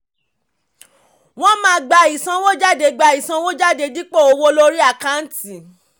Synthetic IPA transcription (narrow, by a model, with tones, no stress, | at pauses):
w̃ɔ̃˦mãː˨˦ɡ͡ba˧i˨sã˧˦wo˦d͡ʒa˦˨de˧ɡ͡ba˧i˨sã˧˦wo˦d͡ʒa˦˨de˨˧di˦k͡po˦˨o˧wo˦lo˦ɾi˦a˦˨ka˦n̩˦ti˨